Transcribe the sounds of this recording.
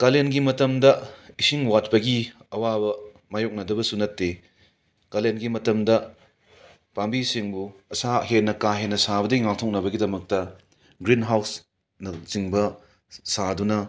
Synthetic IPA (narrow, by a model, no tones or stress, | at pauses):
kalenɡimɐtɐmdɐisiŋwat̚pɐɡiɐwabɐ | majok̚nɐdɐbɐsunɐtːe | kalenɡimɐtɐmdɐ | pambisiŋbuɐsaɦenːɐkaɦenːɐsabɐdɐiŋaktʰok̚nɐβɐɡidɐmɐk̚tɐ | ɡɾinɦaws | nɐziŋbɐ | sadunɐ